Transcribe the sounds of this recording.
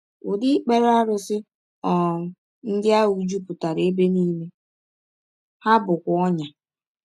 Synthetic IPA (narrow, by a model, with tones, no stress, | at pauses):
ʊ˨dɪ˦k͡pe˦ɾa˦ɾʊ˨sɪ˦ | ɔ˨ | n̩˦dɪ˦a˦u˨d͡ʒu˦pʊ˨ta˨ɾe˦be˦niː˦me˦ | ha˦bʊ˨kʷɔ˦ɲa˨